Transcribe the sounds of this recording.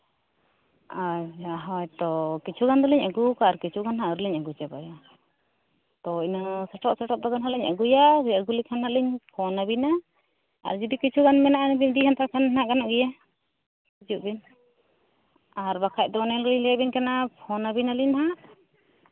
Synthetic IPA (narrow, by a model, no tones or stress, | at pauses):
ad͡ʒaɦɔjt̪ɔkit͡ʃʰuɡand̪ɔlɛɲaɡukaaɾkit͡ʃʰuɡanɦaʔɾlɛɲaɡut͡ʃɛbaja | t̪ɔinasɛʈʰɔʔsɛʈɔʔ̚d̪ɔɡanɦaʔlɛɲa̰ɡujaɾiaɡulikʰannaʔliɲpʰɔnabina | a̰ɾd͡ʒud̪ikit͡ʃʰuɡanmɛnaʔnbiɲd̪iɦɛnt̪akʰanɦaʔɡanaʔɡɛja | kid͡ʒuʔbin | aɾbakʰaj̚ˀd̪ɔnɛlliɲlɛabinkanapʰɔnabinaliɲɦaʔ